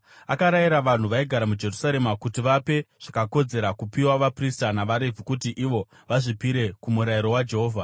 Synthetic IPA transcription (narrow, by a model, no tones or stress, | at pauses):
akaɾajiɾaʋan̤uʋaiɡʱaɾamud͡ʒe̞rusaɾe̞makutiʋape̞ʐ̥akako̞d͡ze̞ɾakupiwaʋapristanaʋaɾe̞vʱikutiʔiʋo̞ | ʋaʐipiɾe̞kumuɾaiɾo̞wad͡ʒe̞ɦo̞ːvʱa